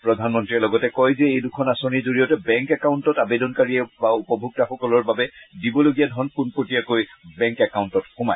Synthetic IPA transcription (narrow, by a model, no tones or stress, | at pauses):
pɹɔdʱanmɔntɹiɛlɔɡɔtɛkɔjzɛejdukʰɔnasonizoɹijɔtɛbɛŋkɛkaʊntɔtabedɔnkaɹiɛbaupɔbʱuk̚taxɔkɔlɔɹbabɛdibɔloɡijadʱɔnpunpotijakojbɛŋkɛkauntɔtxuma̰j